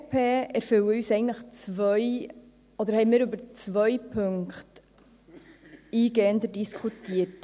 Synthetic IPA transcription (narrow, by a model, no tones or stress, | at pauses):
pʰeːɛɾfʏwəyːsɛɪɡntləχt͡svœʏ | ɔd̪əɾhɛɪmiːɾʉbəɾt͡svœʏpʰɵŋkχt | iːɡeːnd̪ədiskʰutiːət